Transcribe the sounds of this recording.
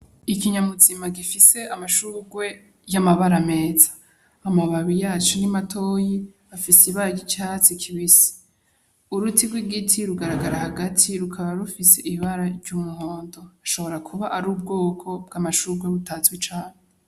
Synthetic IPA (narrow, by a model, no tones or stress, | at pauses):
ikiɲamuzimaɡifise̞amaʃuːɾɡwe̞ | jamaβaɾame̞ːzḁː | maβaβijaːt͡ʃonimatʰoji | afisiβaɾaɟit͡ʃat͡sikʰiβisi̥ | uɾutiɡwiɡitʰiɾuɡaɾaɡaɾahaɡatʰiɾukʰaβaɾufise̞ʔiβaɾaɾɟuːmuho̞ːndo̞aʃo̞βo̞ɾakʰuβaʔaɾuːb̚ɡo̞ːkʰo̞b̚ɡaːmaʃuːɾɡwe̞βutazɡwit͡ʃaːɲe